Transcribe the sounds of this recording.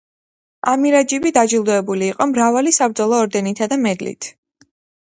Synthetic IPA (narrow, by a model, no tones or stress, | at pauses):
amiɾad͡ʒibid̪ad͡ʒilˠd̪ɔɛbuliːqʼɔmɾavalisabɾd̪zɔlˠɔːɾd̪ɛnit̪ʰad̪amɛd̪lḭt̪ʰ